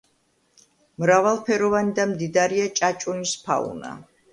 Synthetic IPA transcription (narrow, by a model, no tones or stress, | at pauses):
mɾavalˠpʰɛɾɔvanid̪amd̪id̪aɾiat͡ʃʼat͡ʃʼunispʰa̰ṵna̰